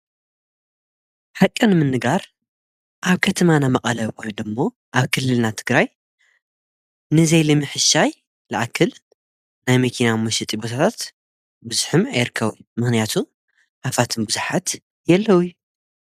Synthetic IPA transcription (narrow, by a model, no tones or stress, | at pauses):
ħakʼːɨnɨmɨnːɨɡaɾ | ʔaβkʰɐt̪ʰɐmanamɐqʼɐlɐβkojnd̪ɨmːo̞ | ʔaβkʰɨlːɨlnat̪ʰɨɡɾaj | nɨzejlɨmɨħɨʃaj | lɨʔakʰːɨl | najmɐkʰinamuʃit̪ʼibot̪ʰat̪ʰat̪ | bɨzuħɨmajɨɾkʰːɐβjmɨxnijat̪ʰu | ʔafat̪ʰɨnbɨzuħat̪ | jɐlːɐwuju